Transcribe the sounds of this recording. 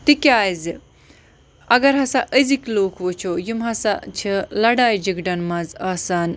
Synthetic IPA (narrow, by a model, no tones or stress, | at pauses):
t̪ikʲaːjzɨ | ɐɡɐɾɦɐsaʔəzikloːkʰʋot͡ʃʰojimɦɐsa̰t͡ʃʰɐlɐɽaːjd͡ʒiɡɖɐnmɐzaːsaːn